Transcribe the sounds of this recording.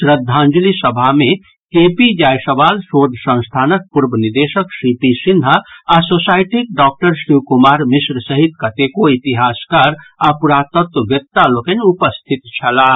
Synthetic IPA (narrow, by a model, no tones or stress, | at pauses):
ɾəd̪ʱːãnd͡ʒlisəbʱamẽ | kepid͡ʒajsəbaːlsod̪ʱsə̃ñst̪ʰaːnək̚puɾbəniɾd̪esəksipisind̪ʱəasosajʈik̚ɖɔːk̚ʈəɾsiwkumaːɾmisɾəsəɦit̪kət̪ekoit̪iɦaskaɾapuɾat̪ət̪wəʋjək̚t̪alokenupəst̪ʰit̪t͡ʃʰəla